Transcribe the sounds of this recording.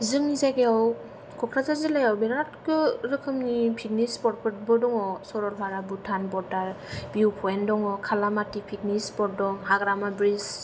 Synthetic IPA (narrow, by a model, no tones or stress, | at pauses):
zɯŋnizaɡeaw | kʰɔkʰɾazazɯlajawbeɾatkɯɾɯkʰɯmnipʰit̚nispɔɾ̚pʰɯt̚bɔdɔŋɔsɔɾɔɾbʰʱaɾabutʰanbɔdaɾ | biuwpʰɔendɔŋɔkʰalamatipʰitnispɔt̚dɔŋɦaɡɾamabɾis